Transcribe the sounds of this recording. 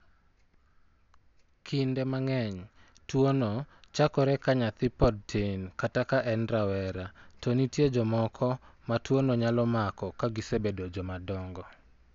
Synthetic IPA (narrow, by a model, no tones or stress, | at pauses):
kʰindɛmaŋɛɲ | twonɔt͡ʃakɔɾɛkaɲat̪ɪpɔd̚tʰenkatakaʔɛnɾawɛɾatɔnitjed͡ʒɔmɔkʰɔmatwonɔɲalɔmakɔkaɡɪsebedod͡ʒɔmadɔŋɡɔ